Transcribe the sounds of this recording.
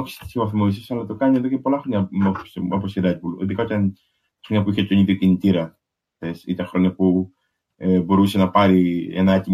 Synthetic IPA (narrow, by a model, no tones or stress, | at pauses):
oçi̥st̪i̥sivɐθimois̬isɐlɐt̪o̞kɐɲie̞ðo̞ce̞po̞lɐxɾo̞ɲɐmosoposiɾɐd̪bulḭðikɐot̪ɐn | xɾoɲɐpuiçet̪oɲiðiocinit̪iɾɐ | θesit̪ɐxɾoɲɐpu | ebo̞ɾuse̞nɐpɐɾiḛnɐɐt̪i